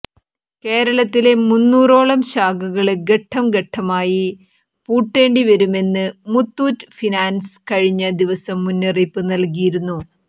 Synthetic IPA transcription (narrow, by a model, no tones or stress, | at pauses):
ke̞ːɾɐɭɐt̪ːile̞munːuːro̞ːɭɐmɕaːɡuɣɐɭɡe̞ʈʰːɐmɡeʈʰːɐmaːji | puːʈːe̞ːɳɖiʋɐɾume̞nːɨmut̪ːuːtːɨfinaːnskɐɻiɲːɐd̪iʋɐsɐmːunːeripːɨnɐlkijiɾunːu